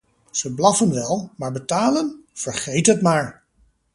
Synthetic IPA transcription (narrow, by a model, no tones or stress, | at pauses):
z̥əblɑfənʋɛlˠmaːɹbətaːlənv̥əɹχejtɦətmaːɹ